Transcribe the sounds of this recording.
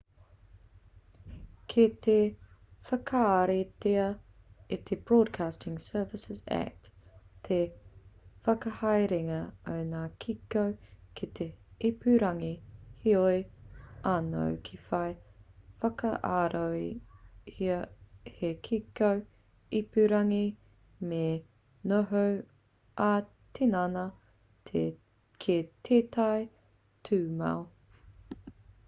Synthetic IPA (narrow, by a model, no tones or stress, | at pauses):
kʰit̪ʰefɐkʰaːɾet̪eɐ | it̪ʰeb̥ɹɔːd̚kʰaːstʰɪ̃ŋsɜːvɪsɪzæ̰k̚t̪t̪ʰe | fɐkɐhɐjɾiŋɐəwnaːkʰikowkʰit̪ʰeipʉɾɐŋihiojʔano̰wkʰifɐjfɐkɐʔaːɾowihiɐhekʰikow | ipʉɾɐŋi | me | noɦow | ʔa | t̪ʰenanɐ | kʰet̪ʰeːt̪ʰɐj | tʰʉːma̰w